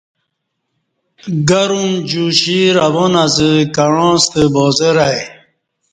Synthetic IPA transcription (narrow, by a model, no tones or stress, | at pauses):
ɡaɾumd͡ʑuɕiɾavɔnazəkaɻɔ̃ːst̪əbɔːzeɾaj